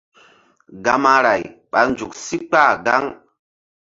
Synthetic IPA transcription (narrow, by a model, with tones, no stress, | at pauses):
ɡa˨ma˦ɾa˨jɓa˨nd͡ʒu˨ksi˦k͡pa˦˨ɡa˦ŋ